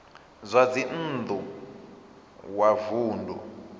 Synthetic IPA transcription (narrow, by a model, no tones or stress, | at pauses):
zʷad͡zin̩d̪u | wavuːndʱṵ